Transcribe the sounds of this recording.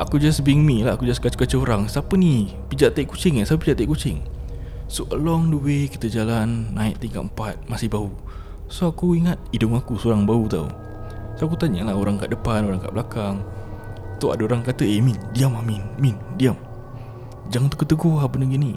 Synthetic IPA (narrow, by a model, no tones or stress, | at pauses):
ʔakud͡ʒasbiŋmilaakud͡ʒaskat͡ʃə̥kat͡ʃəoɾaŋsapəni | pid͡ʒaʔt̪aiʔkut͡ʃɪŋasapəpid͡ʒaʔt̪aiʔkut͡ʃɪŋ | soʔəlɔŋdəwekit̪əd͡ʒalanːaɪʔt̪iŋka̰ʔm̩pat̪̚masɪhbau | soakuiŋat̪̚idʊŋakusoɾaŋbaut̪a̰w | soakut̪aɲalaɦoɾaŋka̰ʔdəpanoɾaŋka̰ʔbəlakaŋ | t̪oa̰daoɾaŋkat̪əemindiamaminmindiam | d͡ʒaŋant̪ukət̪əɡoabənəɡini